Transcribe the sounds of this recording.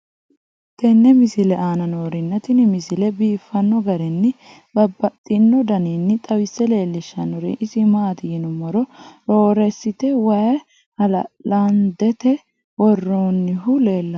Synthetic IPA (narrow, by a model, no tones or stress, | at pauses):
t̪ɛnːɛmɪsɪlɛʔaːnɐnoːɾɪnːɐt̪ɪnɪmɪsɪlɛbiːfːɐnːɔɡɐɾɛnːɪ | bɐbːɐt̪ʼːɪnːɔd̪ɐninːɪt̪ʼɐwɪsːɛle̞ːlːɪʃːɐnːɔɾḛʔɪsɪmaːt̪ɪjɪnʊmɔɾɔɾoːɾɛsːɪt̪ɛwɐjɐ | hɐlɐlɐnd̪ɛt̪ɛ | wɔrːoːnːɪɦʊle̞ːlːɐ